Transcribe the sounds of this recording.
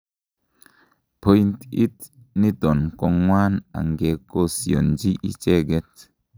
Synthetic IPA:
pʰo˦nt̪i˦t̪ | ni˦t̪o˨nkɔ˧ŋwa˦na̰˨ŋɡe˨ko˦si˨o̰˨nd͡ʒi˦ʔḭ˦t͡ʃe˦ɡɛ˦t

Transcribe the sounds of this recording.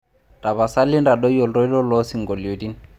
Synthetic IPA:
ta˨βa˨sa˦lɪ˦nda˨dɔ˦jɔ˨lɾɔ˦i˦lɔ˦lɔ˦si˨ŋɡɔ˨li˨o˨di˦n

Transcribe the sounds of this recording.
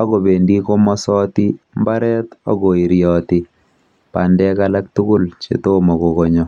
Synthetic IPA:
a˦ko˨be˨ndi˦ko˦mɔ˦sɔ˦ti˦ | mba˦ɾɛ˦tɔ̰˦ɡo˨i˨ɾjɔ˨tɪ˨ | pa˨ndɛ˦ka˦la˦k̚tu˦kʊ˦lt͡ʃḛ˨to˦mɔ˨ko˨ko˨ɲɔ˨

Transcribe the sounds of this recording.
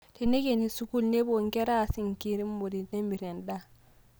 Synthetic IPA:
te˨ne˦ke˨ni˨su˦ku˦lne˦bo˨ŋkɛ˦ɾa˦˨si˨ŋki˦ɾi˦mbo˨di˨te˦mbi˨ɾɛ˨nda˦

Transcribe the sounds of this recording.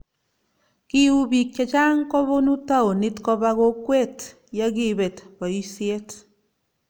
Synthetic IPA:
ki˦u˦bi˨k̚t͡ʃa˨t͡ʃa˦ŋkɔ˦βo˦nu˦ta˦o˨ni˦tkɔ˦ba˦ɣo˦kwe˦t | ja˦ki˦be˨tbɔ˨i˦sje˦t

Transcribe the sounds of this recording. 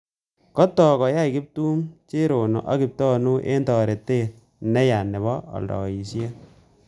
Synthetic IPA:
kɔ˦tɔ˨kɔ˨ja˦i˨kɪ˦p̚tu˦mt͡ʃe˦ɾo˨no̰˨ʔa˦ki˨p̚tɔ˦nu˦ʔḛ˦ntɔ˨ɾe˨te˦˨t̚ | nɛ˦ja˨nɛ˨βɔ˦ɔ̰˨ldɔ̰˨i˨sje˦

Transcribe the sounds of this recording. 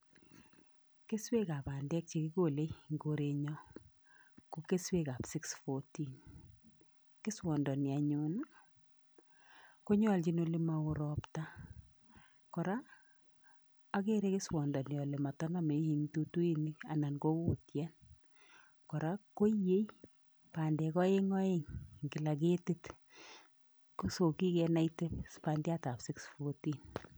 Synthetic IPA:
ke˦swe˦ka˨pa˨ndɛ˦k̚t͡ʃe˨kɪ˦ko˨le˦ŋɡo˦ɾe˦ɲɔ˦ | ko˦ke˦swe˦ka˨psi˦ksfɔ˦ti˨n | kɪ˦swɔ˨ndɔ˨nɪ˨a˨ɲʊna˦ | ko˦ɲɔ˦˨lt͡ʃi˦no˦le˦ma˨ʊ˦ɾɔpta˦ | kɔ˨ɾa˦ | a˦ke˦ɾe˦kɪ˦swɔ˨ndɔ˨njɔ˨le˨ma˨tɔ˦na˦me˨˦hi˦ŋto˦tu˦i˦ni˦a̰˨na˨nko˦ko˨tja˦n | kɔ˨ɾa˦ko˦je˦j | pa˨ndɛ˨kɔ˦je˦ŋɔ˦e˦ŋkɪ˨la˨k̬e˦ti˦t | koso˨ki˦kɛ˨na˦ite˦spa˦ndja˦ta˨psi˦ksfoti˨n

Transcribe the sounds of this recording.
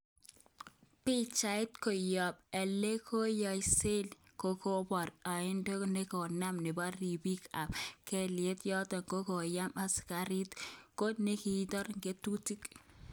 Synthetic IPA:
pɪ˦t͡ʃa˨ɪ˦tko˨jɔ˨p̚ɛ˨le˦kʰo˦jɔ˨jse˦lko˦ko˦bɔ˨ɾɔ˨ɪ˦ndo˦ne˦ko˨na˦mnɪ˨ba˦ri˨bi˦ka˨pkɛ˦lje˦tjɔ˦tɔ˨ŋɡo˦ko˨ja˦ma˦ska˨ɾi˦tko˦ne˦ki˨˦tɔ˦ɾŋɡe˦tu˦ti˦k

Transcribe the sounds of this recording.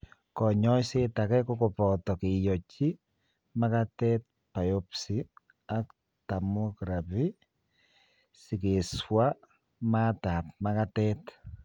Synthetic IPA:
kɔ˨ɲɔ˦jse˦ta˨kɛ˦ko˦ko˨pɔ˨tɔ˨ke˨jɔ˨t͡ʃi˦ | ma˦katɛ˦t̚ | pa˨jo˦psi˨ | a˨k | ta˨mo˦kɾa˨pi˦ | si˨ke˨swa˦ | ma˦ta˨p̚ma˦ka˦tɛt

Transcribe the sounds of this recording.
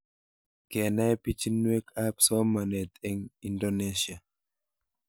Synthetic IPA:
ke˨na˦jpi˦t͡ʃi˦nwe˦kapsɔ˦manɛ˨t̪ɛ˦ŋindoneʃia˨

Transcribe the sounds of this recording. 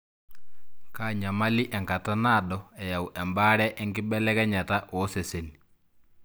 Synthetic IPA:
ka˦˨ɲa˨ma˦lɪ˦ʔɛ˨ŋɡa˨ta˦na˦˨dɔɛ˨ja˨wuʔɛ˨mba˦ɾɛ˦ʔɛ˦ŋɡɪ˦bɛ˦lɛ˦ɣɛ˦ɲa˨ta˦ʔɔ˦se˨se˨ni

